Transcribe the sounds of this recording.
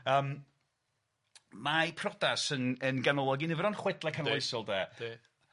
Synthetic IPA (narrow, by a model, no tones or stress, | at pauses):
əːm | mapʰrɔdasənənɡanɔlˠɔɡinɪvɾɔnχwɛdlˠakʰanɔjsɔlˠdɛːd̥e